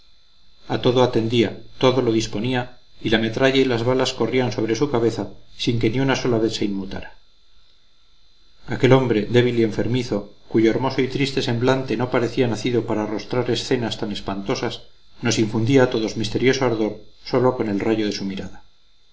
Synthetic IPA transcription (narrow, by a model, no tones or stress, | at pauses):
at̪o̞ðoat̪e̞nd̪iat̪o̞ðo̞loðispo̞niailame̞t̪ɾaʎailazβalasko̞rianso̞β̞ɾe̞sukaβe̞θasiŋke̞niunaso̞laβe̞θse̞inmut̪a̰ɾa | ake̞lo̞mbɾe̞ðe̞β̞ilie̞ɱfe̞ɾmiθo̞kuʝoeɾmo̞soit̪ɾist̪e̞se̞mblant̪e̞no̞paɾe̞θianaθiðopaɾaːro̞st̪ɾaɾe̞sθe̞nast̪ane̞spant̪o̞sas | no̞siɱfund̪iaːt̪o̞ðo̞zmist̪eɾjo̞soaɾðo̞ɾso̞lo̞ko̞ne̞lraʝo̞ð̞e̞sumiɾaða